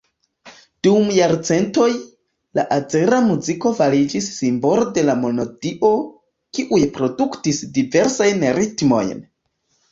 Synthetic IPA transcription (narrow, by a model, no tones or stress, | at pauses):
d̥umjaɾt͡se̞nto̞j | la̰ʔad͡ze̞ɾamuziko̞valid͡ʒisːimbo̞lode̞lamo̞nodiʔo̞ | kiʔujpɾo̞duktisdive̞ɾsajnɾitmo̞̰jn